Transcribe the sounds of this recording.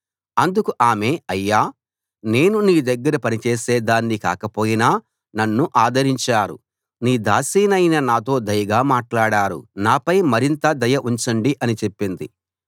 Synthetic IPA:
ɐnd̪ukuʔaːme̞ːɐjːaː | ne̞ːnuniːd̪ɐɡːɐɾɐpɐnit͡ʃeːse̞ːd̪aːnːika̰ːkɐpo̞ːjinaː | nɐnːuʔaːd̪ɐɾiɲt͡ʃaːɾṵ | niːd̪a̰ːsiːnɐjnɐnaːt̪̬o̞ːd̪ɐjɐɡaːmaːʈlaːɽaːɾṵnaːpɐjmɐɾint̪ɐd̪ɐjɐʔuɲt͡ʃɐɳɖiʔɐnit͡ʃe̞pːind̪i

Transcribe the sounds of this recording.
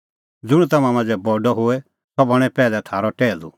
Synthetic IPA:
d͡zʊɽ̃t̪ɐmãmãd͡zɛbɔɖɔɦoɛ | t̪ɔbɐɽ̃ɛpɛːlɛt̪ʰaːɾɔʈɛːlṵ

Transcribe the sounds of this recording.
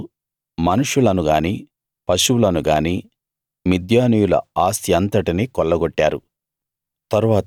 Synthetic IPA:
mɐnuʂulɐnuɡaːniː | pɐʃulɐnuɡaːniː | mid̪jaːnijulɐ̰aːsjɐnt̪ɐʈiniːkɔɭːɐɡɔʈːaːɾu | t̪ɐɾuʋaːt̪

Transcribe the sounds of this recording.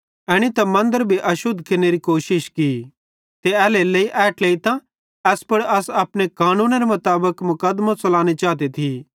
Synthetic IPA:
ɛːɽ̃it̪ɐmɐ̃nd̪əɾbʱiʔɐʃʊd̪ʱkeneɾikoːʃɪʃki | t̪eɛːleleiʔɛːʈleːit̪ã | ɛːspɐɽɐsɐpɽ̃ekaːnũːnɾemɐt̪aːbəkmʊkəd̪mãsɐlaːñit͡ʃaːt̪̬et̪ʰi

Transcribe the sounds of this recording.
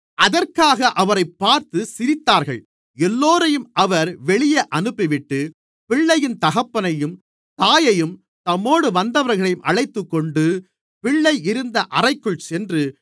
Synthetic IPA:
ʔɐðɐrkaːɣɐʔɐʋɐɾɐɪpːaːɾt̪ɯsɪɾɪt̪ːaːɾɣɐ̰ɭ | ɛlːoːɾɐjɯmʔɐʋɐɾʋɛɭɪjɐʔɐnɯpːɪʋɪʈːɯ | pɪɭːɐjɪnt̪ɐɣɐpːɐnɐjɯm | t̪aːjɐjɯm | t̪ɐmːoːɽɯʋɐnd̪ɐʋɐɾɣɐɭɐjɯmʔɐɭɐɪt̪ːɯkːɔɳɖɯ | pɪɭːɐɪɪɾɯnd̪ɐʔɐrɐɪkːɯɭsɛndrɯ

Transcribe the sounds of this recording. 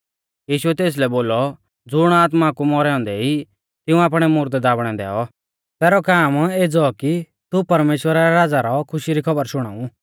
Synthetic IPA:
jiːʃuɛt̪eːs̬lɛboːlɔ | d͡zʊɽ̃aːt̪makumɔɾɛɔ̃ːnd̪ɛi | t̪ɪũaːpɽ̃ɛmʊɾd̪d̪aːbɽ̃ɛ̃d̪ɛ̰ːɔ | t̪ɛːɾɔkaːmeːd͡zɔki | t̪upɐɾmeːʃwəɾaɾɛɾad͡zaɾɔkʰʊʃiɾikʰɐbəɾʃʊɽ̃a̰ːũ

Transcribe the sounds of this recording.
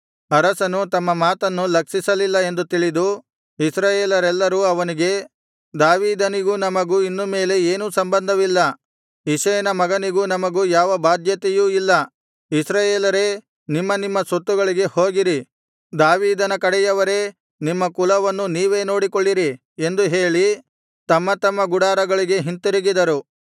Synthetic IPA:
ɐɾɐsɐnut̪ɐmːɐmaːt̪ɐnːulɐkʂisɐlilːɐe̞nd̪ut̪iɭid̪u | isɾaːjeːlɐɾɛlːɐɾuːɐʋɐniɡe̞ | d̪aːʋiːd̪ɐniɡuːnɐmɐɡuːinːume̞ːle̞eːnuːsɐmbɐnd̪ʱɐʋilːɐ | iʃɐɐnɐmɐɡɐniɡuːnɐmɐɡuːjaːʋɐbaːd̪jɐt̪ɛjuːilːɐ | isɾaːjeːlɐɾe̞ː | nimːɐnimːɐsot̪ːuɡɐɭiɡe̞ho̞ːɡiɾi | d̪aːʋiːd̪ɐnɐkɐɽɛjɐʋɐɾe̞ː | nimːɐkulɐʋɐnːuniːʋe̞ːno̞ːɽikoɭːiɾi | e̞nd̪uɦe̞ːɭi | t̪ɐmːɐt̪ɐmːɐɡuɽaːɾɐɡɐɭiɡe̞ɦint̪uɾiɡid̪ɐɾu

